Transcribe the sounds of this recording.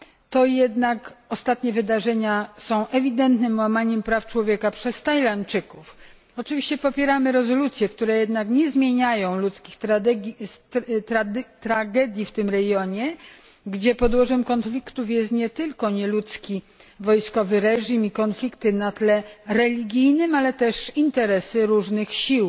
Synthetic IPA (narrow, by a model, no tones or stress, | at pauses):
t̪ɔjɛd̪nakɔst̪at̪ɲɛvɘd̪aʐɛɲasɔ̃w̃ʔɛvʲid̪ɛnt̪nɘmwamaɲɛmpɾaft͡ʂwɔvʲjɛkapʂɛst̪ajlant͡ʂɘkuf | ɔt͡ʂɘvʲiɕt͡ɕɛpɔpʲjɛɾamɘɾɛzɔlut̪sʲjɛkt̪uɾɛjɛd̪nakɲɛzmʲjeɲajɔ̃w̃lut̪skʲixt̪ɾad̪ɛɡʲ | t̪ɾad̪t̪ɾaɡɛd̪ʲjift̪ɘmɾɛɡjɔɲɛ | ɡd͡ʑɛpɔd̪wɔʐɛmkɔnflʲikt̪ufjɛst̪ɲɛt̪ɘlkɔɲɛlut̪skʲi | vɔjskɔvɘɾɛʐimikɔnflʲikt̪ɘnat̪lɛɾɛlʲiɡʲijnɘmalɛt̪ɛʂint̪ɛɾɛsɘɾuʐnɘxɕiw